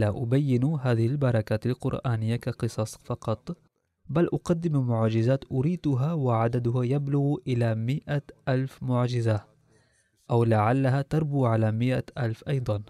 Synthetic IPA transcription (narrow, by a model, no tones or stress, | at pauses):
laʔʊbajːɪnɦaːðɪhɪlbɑɾˤɑkaːt̪alqʊ̰ɾʔaːnɪjːakaqɨsˤɑsˤfɑqɑt̪ˤ | balʔʊqad̪ːɪmamʊʕd͡ʒɪzaːt̪ʔʊɾiːd̪ʊɦawɪʕad̪ad̪ʊɦajablʊɣʔɪlamɪʔaʔalfmʊʕd͡ʒɪza | ʔawlaʕalːaɦat̪ɑɾˤbuːʕalaːmɪʔaʔalfʔɑjd̪ˤɑn